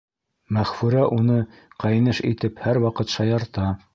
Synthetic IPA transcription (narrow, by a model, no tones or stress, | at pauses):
mæχfʉɾæʔunɤ | qʰɑjnɤʃḭt̪ɘphæɾwɑqɤt̪ʃɑjɑɾt̪ɑ